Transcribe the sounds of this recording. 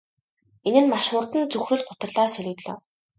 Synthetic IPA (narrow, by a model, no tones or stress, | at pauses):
enɘ̆nmaʃʊrt̪ɘ̆nt͡sɵxrɘ̆ɮɢʊt̪ə̆rɮaːsɵɮʲɵ̆t̪ɮɔ̰ː